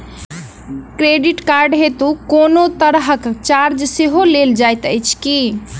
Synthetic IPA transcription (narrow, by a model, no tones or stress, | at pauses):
kɾeɖiʈkaɾɖɦet̪ukoːnot̪əɾɦəkt͡ʃaɾd͡ʒseɦoleld͡ʒajt̪əjt͡ʃʰki